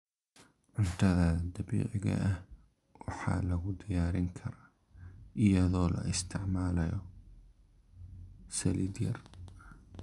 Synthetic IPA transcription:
ʕʊnt̪ʰɐðɐd̪ɐβḭːʕɪɣɐ̰ʔɐh | wɑħɑ̰ːlɐɣʊd̪ɪjaːɾɪŋkʰɐɾaː | ʔɪjɐðɔːlɐ̰ɪst̪ʰɪʕmaːlɐjɔ | sɐlid̪jɐr

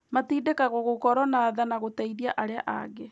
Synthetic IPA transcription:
matiːdekaɣoɣokɔɾɔnaːðanaɣotaiðiaʔaɾeaʔa̰ɣe

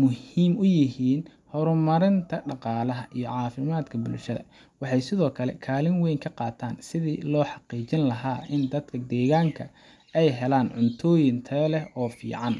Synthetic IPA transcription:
mʊhiːmʊjɪɦiːn | hɔɾʊmɐɾɪnt̪ʰɐɖɑqɑːlɐɦɐʔijɞʕɑːfɪmaːd̪kʰɐbʊlʃɐðɐ̰ | wɑħɑjsɪðɔːkʰɐlɛ̰kʰaːlɪnwɛjŋkʰɐqɑːt̪ʰaːnsɪðḭlɔːħɑqiːt͡ʃɪnlɐɦaːʔɪnd̪ɐd̪kʰɐd̪ɛːɣaːŋkʰɐ | ɛjɦɛlaːnʕʊnt̪ʰɔːjɪnt̪ʰɐlɛhɔːfḭːʕɑn

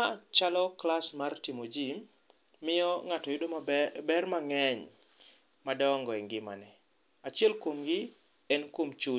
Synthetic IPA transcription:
at͡ʃalɔklasmartimod͡ʒimː | ɪjɔŋatɔjʊdobɛrmaŋɛɲ | madɔŋɡɔɛŋɡɪma̰nɛ | at͡ʃɪɛlkwomɡɪ | ɛnkwomt͡ʃu

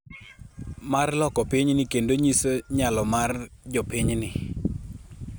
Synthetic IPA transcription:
marlɔkɔpɪɲnɪkendoɲisoɲalɔmard͡ʒɔpɪɲnɪ

